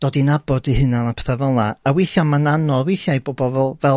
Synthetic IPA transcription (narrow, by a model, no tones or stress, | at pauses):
d̥oːdinabɔdihɨnanapʰɛ̥θavɛlˠnaawejθjanmananɔwejθjajboːbɔvɛlˠvɛ